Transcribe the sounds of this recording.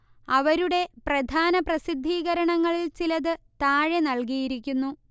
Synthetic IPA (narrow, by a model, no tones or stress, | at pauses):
ɐʋɐɾuɽe̞prɐd̪ʱaːnɐprɐsid̪ʱːiːɣɐɾɐɳɐŋːɐɭilt͡ɕilɐðɨt̪aːɻenɐɭkijiɾikʲːunːu